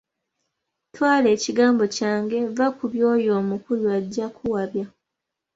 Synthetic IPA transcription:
twaːle̞ːciɡaːmbo̞caːŋɡe̞vakuβjo̞ːjo̞ːmukuluaɟːakʰuwaβja

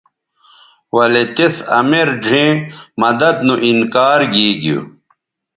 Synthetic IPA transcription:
wɐlet̪esɐ̰meɾd͡ʑʱẽːmɐd̪ɐd̪nuʔinkaːɾɡiːɡijṵ

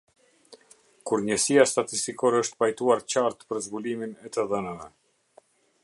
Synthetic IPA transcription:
kuɾɲəsijast̪at̪ist̪ikɔɾɛəʃt̪pajt̪uaɾt͡ɕaɾt̪pəɾzbuliminɛt̪əðənavɛ

